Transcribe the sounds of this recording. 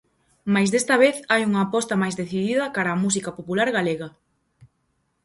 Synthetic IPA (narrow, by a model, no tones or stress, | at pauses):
majzðest̪ɐβ̞eθajuŋɐːpɔst̪ɐmajzðeθiðiðɐkaɾaːmus̬ikapopulaɾɣaleɣɐ